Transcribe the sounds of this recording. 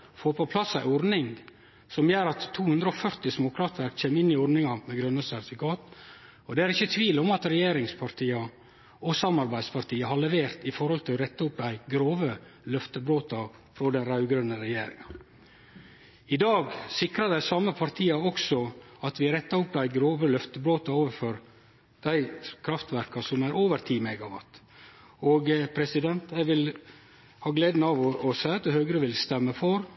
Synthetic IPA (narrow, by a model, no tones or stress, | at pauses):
foːpɔpʰlɑsæɪɔɾnɪŋ | sɔmjøːɾɑt̪ʰːuːhʉnd̪ɾəɔfœɾt̪ɪsmʊkʰɾɑːt̪ʋæɾkc͡çʰeːmɪnːɪɔɾnɪŋɑmɛɡɾœnːəsæɾt̪ɪfɪkɑːt̪ | ɔd̪ɛæɾɪçːət̪ʰʋiːlɔmɑt̪ɾɛjeːɾɪŋspʰɑɾt̪ʰiːɑ | ɔsɑmɑɾbæɪspʰɑɾt̪ʰiːəɦɑɭɛʋeːɾt̪ɪfɔɾhɔlt̪ʰɪlɾɛt̪ːɑʊp̚d̪æɪɡɾoːʋə | lœft̪əbɾoːt̪ɑ | fɾɔd̪ɛnɾɑʉɡɾœnəɾɛjeːɾɪ̰ŋɑ | ɪd̪ɑːɡsɪkɾɑd̪æɪsɑmːəpʰɑɾt̪ʰiːɑɔksɔɑt̪ʋɪɾɛt̪ːɑʊp̚d̪æɪɡɾoːʋəlœft̪əbɾoːt̪ɑoːʋəɾfɔɾ | d̪̥æɪkʰɾɑft̪ʋæɾkɑsɔmæɾoːʋəɾt̪ʰiːmɛɡɑʋɑ̰t̪ | oɡpʰɾɛsɪd̪ɛnt̪ɛɪɡʋɪl | hɑːɡleːd̪nəɑʋɔɔsæɪɑt̪̚ɛhøːɡɾəʋɪlst̪ɛmːəfɔɾ